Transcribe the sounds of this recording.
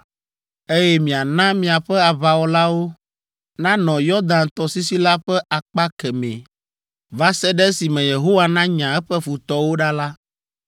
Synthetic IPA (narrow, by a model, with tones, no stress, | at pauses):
e˦jɛ˦mĩ˨a˨nã˦mĩ˨a˨ɸɛ˦a˨βa˨wɔ˨˦la˦wo˦ | nã˦nɔ̃˨jɔ˦d̪ã˨nt̪ɔ˦si˦si˦la˦ɸɛ˦ʔa˨k͡pa˦kɛ˨mɛ̰̃˨ | va˦sɛ˦ɖɛ˦si˨mɛ̃˨je˨ɦo˦wa˦nã˦ɲã˨ɛ˦ɸɛ˦fu˨t̪ɔ˦wo˦ɖa˦la˦